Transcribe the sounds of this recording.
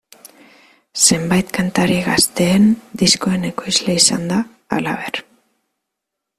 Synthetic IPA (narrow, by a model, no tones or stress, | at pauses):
se̞mbajt̪kant̪aɾiɣast̪e̞ːnd̪isko̞e̞ne̞ko̞jzleisand̪a̰ː | la̰β̞e̞ɾ